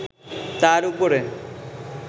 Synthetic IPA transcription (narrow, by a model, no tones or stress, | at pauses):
t̪aɾupoɾe